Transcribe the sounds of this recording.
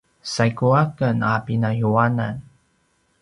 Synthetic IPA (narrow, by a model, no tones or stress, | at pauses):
sajkuakənapinajuana̰n